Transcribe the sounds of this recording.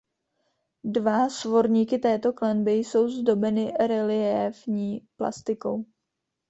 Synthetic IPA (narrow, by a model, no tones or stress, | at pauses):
dvasvo̞ɾɲiːkɪt̪ɛːt̪o̞klɛnbɪjso̞wzdo̞bɛnɪɾɛlɪɛvɲiːpla̰st̪ɪko̞̰w